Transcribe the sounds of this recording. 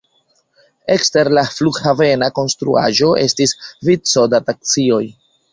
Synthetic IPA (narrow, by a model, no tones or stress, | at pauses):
e̞kste̞ɾlafluɡhave̞nako̞nstɾṵa̰ʒo̞ʔe̞̰stisvit͡so̞datak̚t͡sio̞j